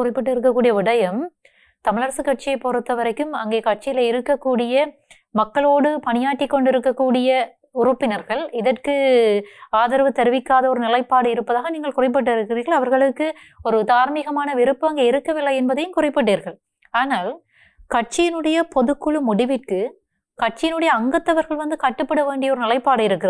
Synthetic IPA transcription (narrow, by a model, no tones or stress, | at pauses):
kʊrɪpːɐʈ̬ːɯɪɾɯkːɐkːuːɽɪjɐʋɪɽɐjɐm | t̪ɐmɪɭɐɾɐsɯkːɐʈ̚t͡ʃːɪjɐɪpɔɾɯt̪ːɐʋɐɾɐɪkːɯmɐŋɡeːkɐʈ̚t͡ʃɪjɪlɐɪɾɯkːɐkːuːɽɪjɐ | mɐkːɐɭoːɽɯpɐnɪjaːʈːɪkːɔɳɖɪɾɯkːɐkːuːɽɪjɐ | ʊrɯpːɪnɐɾɣɐɭɪðɐrkɯ | aːðɐɾʋɯt̪ɛɾɯʋɪkːaːðɐɔɾɯnɪlɐɪpːaːɽɯɪɾɯpːɐðaːɣɐniːŋɡɐɭkʊrɐɪp̬ːɐʈ̬ːɪɾɯkːɪriːɾɣɐɭɐʋɐɾɣɐɭɯkːɯ | ɔɾɯd̪aːɾmiɣɐmaːnɐʋɪɾɯpːɯɐŋɡeːɪɾɯkːɐʋɪlːɐjɛnbɐðɐjɯmkʊrɐpːɐʈːeːɾɣɐɭ | aːnaːl | kɐʈ̚t͡ʃːɪjɪnɯɽɐjɐpɔðɯkːɯɭɯmʊɽɪʋɪʈkɯ | kɐʈ̚t͡ʃːɪjɪnɯɽɐjɐːŋɡɐt̪ːɐʋɐɾɣɐɭʋɐnd̪ɯkɐʈːɯpːɐɽɐʋeːɳɖɪjɐɔɾɯnɪlɐɪpːaːɽɐɪɾɯkːɪrɐð